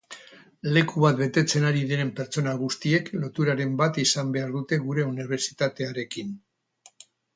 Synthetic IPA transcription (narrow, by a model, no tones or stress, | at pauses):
le̞kuβat̪̚be̞t̪e̞t͡se̞naɾiðeɾe̞mpe̞ɾt͡so̞naɣ̞ust̪ie̞klo̞t̪uɾaɾe̞mbat̪isambe̞aɾðut̪e̞ɣuɾe̞uniβ̞e̞ɾsit̪at̪e̞aɾe̞kin